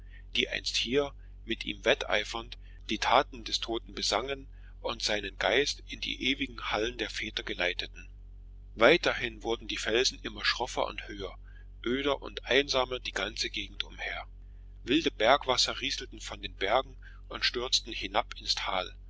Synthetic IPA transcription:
d̥iːʔa̰ɪnsthiːɐ | mɪtʔḭːmvɛtʔa̰ɪfɐnt | d̥iːtʰaːtn̩dɛstʰoːtn̩bəzaŋən | ʔʊntz̥aɪnənɡaɪstɪndḭːʔeːvɪɡŋ̩haləndeːɐfɛːtɐɡəlaɪtətn̩ | vaɪtɐhɪnvʊɐdn̩diːfɛlzn̩ʔɪmɐʃʁ̥ɔfɐ̰ʔʊ̰nthøːɐ | ʔøːɾɐʔʊ̰ntʔaɪnzaːmɐd̥iːɡant͡səɡeːɡŋ̩tʊmheːɐ | vɪldəbɛɐkv̥asɐʁiːzl̩tn̩fɔndeːnbɛɐɡŋ̩ | ʔʊntʃtʏɐt͡stn̩hɪnapɪnstʰaːl

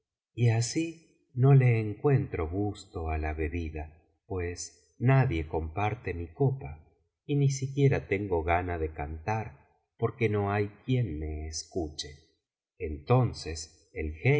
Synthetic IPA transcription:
iasi | no̞leːŋkwe̞nt̪ɾo̞ɣust̪o̞alaβe̞βiða | pwe̞s | naðje̞ko̞mpaɾt̪e̞miko̞pa | inisikje̞ɾat̪e̞ŋɡo̞ɣanaðe̞kant̪aɾ | po̞ɾke̞no̞ajkjenme̞ːskut͡ʃeː | nt̪o̞nses | elxe

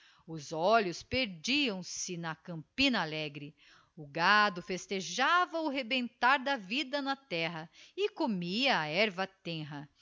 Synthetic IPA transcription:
ʊzɔʎʊspeɾd͡ʒiɐ̃w̃sɪnɐkɐ̃mpĩnɐalɛɡɾɪ | ʊɡad̪ʊfest̪eʒavɐʊɦebẽnt̪aɾd̪ɐvid̪ɐnɐt̪ɛɦɐɪkomiɐːɛɾvɐt̪ẽɦɐ

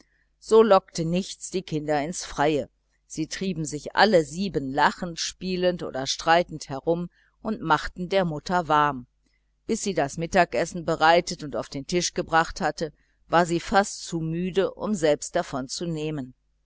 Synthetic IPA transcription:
z̥oːlɔk̚tənɪçt͡sd̥iːkʰɪndɐɪnsfʁ̥aɪə | z̥iːtʁ̥iːbm̩zɪçʔa̰ləziːbənlaχn̩tʃpiːləntʔo̰ːdɐʃtʁ̥aɪtn̩thɛɐʁʊm | ʔʊntmaχtn̩deːɐmʊtɐvaɐm | b̥ɪsz̥iːdasmɪtaːkʔɛsn̩bəʁaɪtətʊnta̰ʊfd̥eːntʰɪʃɡ̥əbʁaχthatə | vaːɐziːfastt͡sumyːdəʔʊ̰mzɛlpst̚d̥afɔnt͡suneːmən

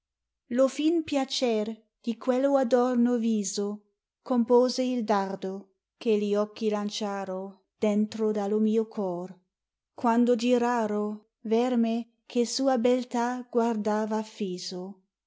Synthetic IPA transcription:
lofinpjat͡ʃer | d̪̥ikwelːoad̪ɔrnoviːzo | kompoːzeild̪ard̪o | keliɔkːilant͡ʃaːɾo | d̪̥ent̪ɾod̪alomiːokʰɔr | kwand̪od͡ʒiɾaːɾo | vɛrme | kʰesuːabelt̪aɡ̥ward̪aːvaːfiːzo

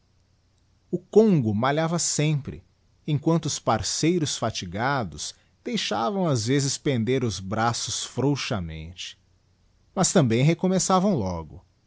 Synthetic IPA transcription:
ʊkõŋɡʊmaʎavɐsẽpɾɪ̰ | ẽkwɐ̃nt̪ʊʊspaɾsejɾʊsfat͡ʃiɡad̪ʊs | d̪̥ejʃavɐ̃w̃azvezɪspẽnd̪eɾʊzbɾasʊsfɾowʃɐmḛ̃nt͡ʃɪ̥ | mɐst̪ɐ̃mbẽj̃ɦekomesavɐ̃w̃lɔɡʊ

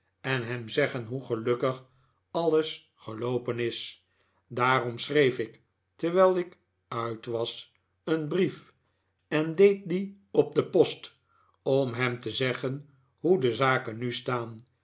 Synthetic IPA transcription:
ɛnɦɛmzɛχənɦuχəlɵkəχ | ɑlˠəs | χəlowpənɪs | daːrɔmsrejfɪk | təɹʋɛlˠɪk | œɥtʋɑs | ənbrif | ɛndejt̚di | ɔb̚dəpɔst | ɔmɦɛmtəzɛχən | ɦudəzaːkənystaːn

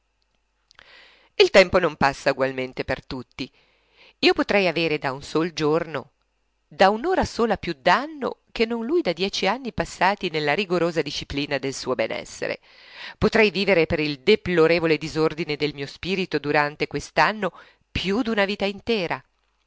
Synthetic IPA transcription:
ilt̪ɛmponompasːauɡwalment̪epert̪ut̪ːi | iːopot̪ɾɛjaveːɾed̪aunsoːld͡ʒorno | d̪aunoːɾasoːlapjud̪anːo̰kenːonlujd̪ad̪jɛːt͡ʃianːipasːaːt̪inelːaɾiɡoɾoːzad̪iʃːipliːnad̪elsuːobɛnɛ̰sːḛɾḛ | pot̪ɾɛjviːveɾepeɾild̪eploɾeːvoled̪izord̪ined̪elmiːospiːɾit̪od̪uɾant̪ekwest̪anːo | pjud̪unaviːt̪aint̪ɛːɾa

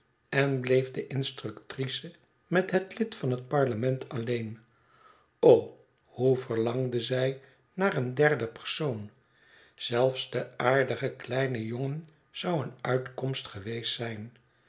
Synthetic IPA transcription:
ɛnblejvdəʔɪnstrɵktrisə | mɛtɦətlɪtfɑnɦət̚pɑɹləmɛntʰɑlejn | ow | huvəɹlɑŋdəzɛj | naːrəndɛrdəpəɹsown | z̥ɛlˠfsdəaːɹdəχəklɛjnəjoŋən | z̥ɑwənœɥtkɔmstχəʋejstsɛjn

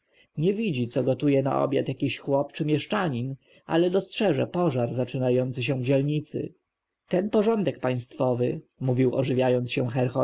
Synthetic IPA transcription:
ɲɛvʲid͡ʑit̪sɔɡɔt̪ujɛna̰ʔɔ̰bʲja̰t̪jakʲiɕxwɔpt͡ʂɘmʲjɛʂt͡ʂaɲin | ʔa̰lɛd̪ɔstʂɛʐɛ̰pɔʐaɾzat͡ʂɘnajɔnt̪sɘɕ̬ɛ̃vd͡ʑɛlɲit̪sɘ̰ | t̪ɛnpɔʐɔnd̪ɛk̚paj̃st̪fɔvɘmuvʲiwɔ̰ʐɘvʲjajɔnsɕɛ̃xɛɾxɔɾ

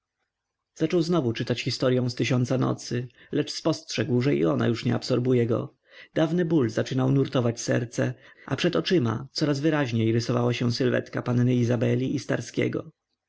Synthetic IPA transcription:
z̥at͡ʂɔwznɔvut͡ʂɘt̪at͡ɕxʲist̪ɔɾʲjɔ̃w̃st̪ɘɕɔnt̪sanɔ̰t̪sɘ | lɛt͡ʂspɔstʂɛɡwʐɛḭɔna̰juʂɲɛ̰apsɔɾbujɛɡɔ̰ | d̪̥avnɘbulzat͡ʂɘnawnuɾt̪ɔvat͡ɕsɛ̰ɾt̪sɛapʂɛt̪ɔt͡ʂɘma̰t̪sɔɾazvɘɾaʑɲejɾɘsɔvawaɕɛ̃sɘlvɛ̰t̪kapanːɘizabɛlʲiʔist̪a̰ɾskʲɛ̰ɡɔ̰

